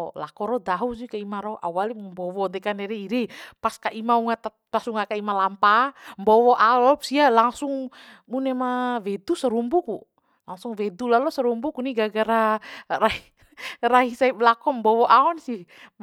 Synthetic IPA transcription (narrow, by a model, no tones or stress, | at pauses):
lakɔɾɔd̪aɦus̬ikaimaɾɔʔa̰walimbɔwɔd̪ɛkanɛɾɛiɾɛpaskaʔimauŋat̪a | pasuŋakaimalampambɔwɔʔaɔlɔpsialaŋsuŋmunɛmawɛd̪usaɾumbuku | laŋsuŋwɛd̪ulalɔsaɾumbukuniɡaɡaɾara | raɦisaip̚lakɔmbɔwɔʔaɔnsi